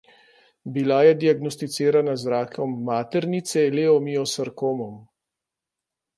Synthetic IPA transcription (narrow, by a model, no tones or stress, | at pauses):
bilajɛd̪iaɡnɔst̪it̪sɪːɾanazɾaːkʰɔmːaːt̪ɛɾnit̪sɛleːɔmiɔsəɾkoːmɔm